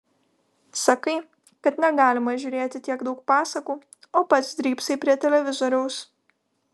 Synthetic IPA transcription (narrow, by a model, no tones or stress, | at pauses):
sɐkɐɪ | kɐt̪nʲɛɡɑːlʲɪmɐʒʲʊːɾʲeːt̪ʲɪt̪ʲiɛɡd̪ɐʊk̚pɑːsɐkuː | oːpɐt̪sd̪ʲɾʲiːpsɐɪpʲɾʲiɛt̪ʲɛlʲɛʋʲɪzɔɾʲɛʊs